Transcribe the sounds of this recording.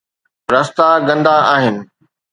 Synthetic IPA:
ɾɐst̪aɡɐ̃nd̪aaːɦɪnɪ̆

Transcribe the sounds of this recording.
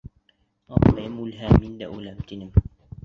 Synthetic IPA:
ɑqlɑjɤmulɦæmind̪æʔulæmt̪inɘm

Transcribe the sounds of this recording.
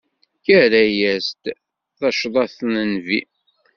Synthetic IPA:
çæɾæjæst̪ | θæʃðˤɑθnənvḭ

